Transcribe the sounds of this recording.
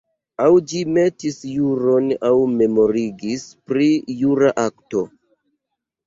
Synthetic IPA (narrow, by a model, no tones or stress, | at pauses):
awd͡ʒime̞tisjuɾo̞nawme̞mo̞ɾiɡispɾijuɾaʔakto̞